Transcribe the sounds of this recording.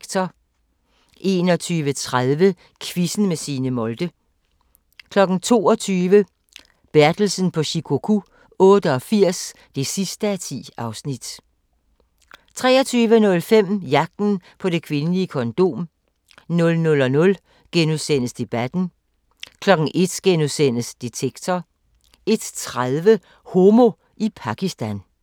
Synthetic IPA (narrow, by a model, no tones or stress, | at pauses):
t͡sʰɒ | ʔe̝ːnɒ̽t͡sʰyːʋət͡sʰʁaðˠʋə | kʰʋisn̩mesiːnəmɔ̽ld̥ə | kʰlɒ̽ɡ̥n̩t͡sʰo̝̰ːɒ̽t͡sʰyːʋə | b̥æɐd̥l̩sn̩pʰɒ̽ɕikʰo̝kʰu | ɔ̽ːdəɒ̽fiɐ̰s | d̥e̝sisd̥əæt͡sʰḭːɑ̈ʊsnid̥ | t͡sʰʁɛ̰ːɐt͡sʰyːʋənɔ̽lfem̰jɑ̈ɡ̥̚d̥n̩pʰɒ̽ɾ̥e̝kʰʋe̝nəliəkʰɒ̽nd̥o̝̰ːm | nɔ̽lnɔ̽lɒ̽nɔ̽l | ɡ̥enuðˠsen̰əsd̥e̝b̥æd̥n̩ | kʰlɒ̽ɡ̥ŋ̩ʔe̝d̥ɡ̥enuðˠsen̰əsd̥et͡sʰeɡ̥̚t͡sʰɒ | e̝d̥t͡sʰʁaðˠʋə | ho̝mo̝ | ipʰɑ̈ɡ̥isd̥æn